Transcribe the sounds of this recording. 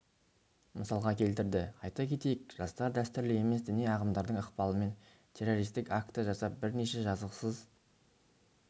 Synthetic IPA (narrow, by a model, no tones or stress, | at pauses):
məsɑlˠʁɑkʲʰe̞lt̪ɪɾd̪ɪqʰɑjt̪ɑkʲʰe̞t̪e̞jɪkʒ̥ɑst̪ɑɾd̪æst̪ʏɾlɪje̞me̞sd̪ɪneɑʁəmd̪ɑɾd̪əɴəqpɑlˠəme̞n | t̪ʲʰe̞ro̞ɾijst̪ɪkak̚t̪əʒɑsɑp̚bɪɾne̞ʃe̞ʒɑzəqsəz